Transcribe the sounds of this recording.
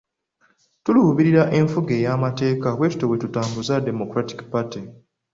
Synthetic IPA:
tuluuβiɾiɾaʔe̞ɱfuɡe̞ːjaːmate̞ːkaβwe̞ːtu̥towe̞tutaːmbuzade̞mo̞kɾati̥kpati

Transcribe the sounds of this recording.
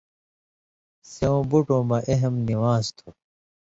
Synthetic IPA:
seõːbuʈõːmɐʔeɦemniwãːst̪ʰu̥

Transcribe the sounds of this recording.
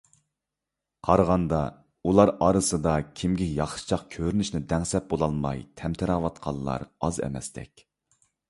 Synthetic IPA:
qʰɑɾʁɑnd̪ɑ | ulˠɑɾɑːɾɨsɨd̪ɑkʲʰimɡʲiɪjɑχʃɨ̥t͡ʃʰɑqkʲʰøɾynyʃnɪd̪ɛŋsɛp̚bolˠɑlˠmɑ̰jt̪ʰɛmt̪ʰɪɾɑːwɑt̪qʰɑlˠːɑ̰ɾɑzɛ̰mɛ̰st̪ɛ̰kʲ

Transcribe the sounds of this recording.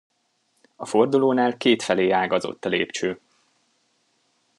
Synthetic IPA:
ɒfo̞rd̪uloːnaːlkeːt̪fɛleːaːɡɒzo̰t̪ːɒlḛːpt͡ʃøː

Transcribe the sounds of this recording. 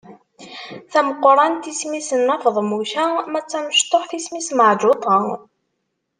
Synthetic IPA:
θæməqːɾˤɑnt̪ismisənːæfðˤmuçæmæt͡sːæməʃt̪ˤːoħθismisməʕd͡ʒot̪ˤɑ

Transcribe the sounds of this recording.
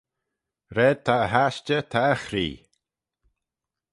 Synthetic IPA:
ɾɛːd̚t̪ʰaəɦaʃt͡ʃət̪ʰaəxɾḭː

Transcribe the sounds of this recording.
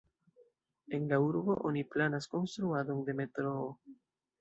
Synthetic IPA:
e̞nlauɾbo̞ʔoniplanasko̞nst̪ɾuado̞nde̞me̞t̪ɾoː

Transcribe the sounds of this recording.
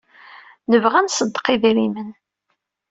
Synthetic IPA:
nəvʁænsəd̪ːqiðiɾimən

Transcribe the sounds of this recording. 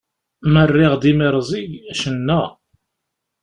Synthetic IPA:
mərːɪʁd̪imeɾˤzˤiʝæʃənːæ

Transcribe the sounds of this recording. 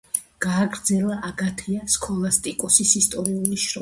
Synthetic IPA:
ɡ̥aːɡɾd̪zɛlˠaʔaɡat̪ʰiaskʰʼɔlˠast̪ʼikʼɔsisist̪ʼɔɾiuliʃɾɔ

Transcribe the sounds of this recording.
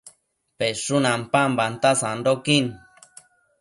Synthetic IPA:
peʂunampambant̪asanɖokin

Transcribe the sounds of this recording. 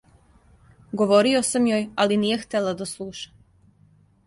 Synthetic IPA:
ɡoʋoɾio̞samjoːjaliniːjext̪elad̪aslˠuːʃḁ

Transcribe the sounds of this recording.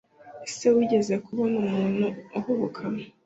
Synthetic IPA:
esewiɟe̞zekuβonumuːnhuuhuβukʰam

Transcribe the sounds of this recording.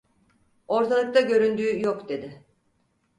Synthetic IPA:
o̞ɾt̪ʰalˠɯk̚t̪ʰaɟø̞ɾynd̪yːjo̞kd̪e̞d̪ɪ

